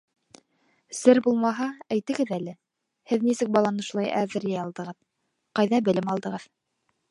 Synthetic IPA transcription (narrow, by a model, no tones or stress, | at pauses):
sɘɾbulˠmɑɦɑæjt̪ɘ̆ɡɘðælɘ | hɘðnisɘk̚bɑlˠɑnɤ̆ʃulˠɑjʔæðɘ̆ɾjæjɑlˠd̪ɤ̆ʁɤð | qɑjðɑbɘ̆lɘmɑlˠd̪ɤ̆ʁɤð